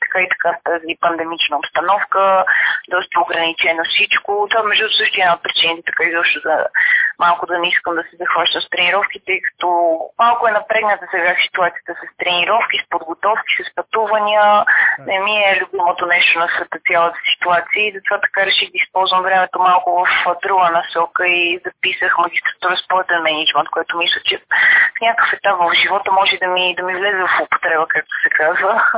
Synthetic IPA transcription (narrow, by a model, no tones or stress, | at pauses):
t̪ɐ̥kait̪ɐ̥kaft̪azipɐnd̪ɛmit͡ʃnəopst̪ɐnɔfkəd̪ɔst̪əoɡɾɐnit͡ʃɛnofsit͡ʃkot̪ovamɛʒd̪ut̪ʊ̥sɤʃt̪ʊiɛnaot̪̚pɾit͡ʃinət̪ɛt̪ɐ̥kaizɔpʃt̪ʊzɐmalˠkʊd̪ɐnɛiskəmd̪ɐsizɐxvaʃt̪əmst̪ɾɛniɾɔfkit̪ɛjkɐ̥t̪ɔmalˠkʊɛnɐpɾɛɡnət̪əsɛɡasi̥t̪uat̪sijət̪əsəst̪ɾɛniɾɔfk̟ispod̪ɡot̪ɔfki̥səspɐt̪uvənʲiənɛmiɛlʲubimot̪onɛʃt̪onɐsvɛt̪ət̪sʲjalˠət̪ə̥si̥t̪uat̪siəizɐt̪ovat̪ɐ̥kaɾɛʃiɡ̪iispɔlˠzvəmvɾɛmɛt̪omalˠkʊvəfd̪ɾuɡənɐsɔkəizɐpisəxmɐɡʲist̪ɾɐt̪uɾəspoət̪ɛnmɛnid͡ʒt͡ʃmɛnt̪koɛt̪omislˠət͡ʃɛfnʲakə̥fɛt̪apvəvʒivɔt̪əmɔʒɛd̪ɐmid̪ɐmivlɛzɛvɐfʊpo̥t̪ɾɛbəkak̚t̪o̥sɛkazvə